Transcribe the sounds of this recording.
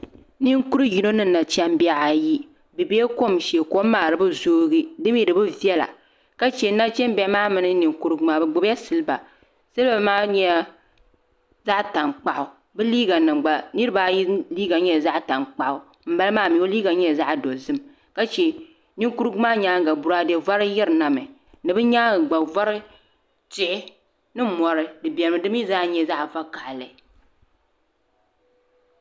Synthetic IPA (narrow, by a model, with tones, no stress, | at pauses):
ni˦ŋku˦ɾɨ˦ji˨no˦nɨ˦˨na˨t͡ʃɛ˦m˦bi˦a˦ʔa˨ji˦ | bɨ˨be˦ko˦mʃe˨ko˦maː˨ɾɨ˦bɨ˦zoː˦ɡi˦dɨ˦m˦ji˨ɾɨ˨bɨ˦vi˦ɛ˦la̰˨ | ka˦t͡ʃɛ˨˦na˦t͡ʃɛ˦m˦bɛ˦maː˦mɨ˨nɨ˦ni˨ŋku˦ɾɨ˦ɡmaː˦bɨ˨ɡ͡bʊ˦bja˦sɨ˨lɨ˦ba˨ | sɨ˦lba˨maː˦ɲɛ˦a˦ | za˦ʔta˨ŋk͡pa˨ʔʊ˨ | bɨ˦liː˦ɡa˨nɨ˨ŋ͡mɡ͡ba˨nɨ˦ɾɨ˦baː˨˦jliː˦ɡa˨ɲɛ˦˨za˦ʔta˨nk͡pa˨ʔʊ˨ | m̩˦ba˦lmaː˦˨mi˨o˦liː˦ɡa˨ɲɛ˦˨za˦ʔdo˨zɨ˦m | ka˦t͡ʃɛ˦ | ni˦ŋ˦ku˦ɾɨ˦ɡu˦maː˦ɲaː˦ŋ˨ɡa˨bu˨ɾa˦dɛ˦va˦ɾɨ˦jɛ˦ɾɨ˨na˨mɨ˨ | nɨ˨bɨ˦ɲaː˦˨ɡ͡ba˨va˦ɾɨ˦ | t͡ʃɪ˨ʔɪ˦ | nɨ˦mɔ˨ɾɨ˦dɨ˨bʲɛ˨ɾɨ˨mɨ˦dɨ˦mi˦zaː˦ɲɛ˦za˦ʔfa˦ka˨ʔlɨ˨